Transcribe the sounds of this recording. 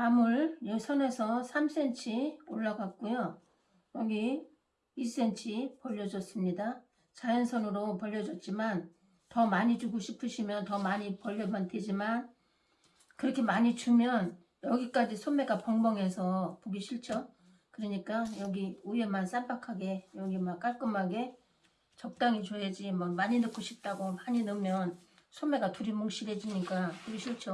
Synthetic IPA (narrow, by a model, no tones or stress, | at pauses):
amuɭjʌsʰʌne̞sʰʌsʰams͈ʰe̞nt͡ɕʰioɭːaɡak̚k͈ojo | jʌɡiː | s͈e̞nt͡ɕʰipʌʎːʌd͡ʑʌs͈ɯmɲida | t͡ɕajʌnsʰʌnɯɾopʌʎːʌd͡ʑʌt̚t͡ɕ͈iman | tʌmaɲid͡ʑuɡoɕʰipʰɯɕʰimjʌntʌmaɲipʌʎːʌmande̞d͡ʑiman | kɯɾʌkʰe̞maɲit͡ɕumjʌn | jʌɡik͈ad͡ʑisʰome̞ɡapʌŋbʌŋe̞sʰʌpoɡiɕʰiɭt͡ɕʰʌ | kɯɾiɲik͈ajʌɡiue̞mans͈aɭpakʰaɡe̞jʌɡimak͈aɭk͈ɯmaɡe̞ | t͡ɕʌp̚t͈aŋit͡ɕoɦe̞d͡ʑimʌmaɲinɯkʰoɕʰip̚t͈aɡomaɲinɯmjʌn | sʰome̞ɡatuɾimoŋɕ͈iɾed͡ʑiɲik͈apoɡiɕʰiɭt͡ɕʰʌ